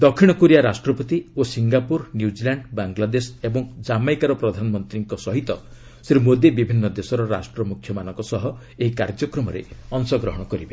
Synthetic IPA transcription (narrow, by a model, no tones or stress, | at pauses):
d̪ɔkʰːiɽ̃ɔkuɾijaɾasʈɾɔpɔt̪iosiŋɡapuɾnjud͡ʒilaɳɖbaŋɡlad̪esebɔŋd͡ʒamajkaɾɔpɾɔd̪ʱanɔmɔnt̪ɾiŋkɔsɔɦit̪ɔ | seɾumod̪jebibʱinːɔd̪esɔɾɔɾa̰sʈɾɔmukʰjɔmanɔŋkɔsɔɦɔ | eɦikaɾd͡ʒɔkɾɔmɔɾḛɔnsɔɡɾɔɦɔɽ̃ɔkɔɾibe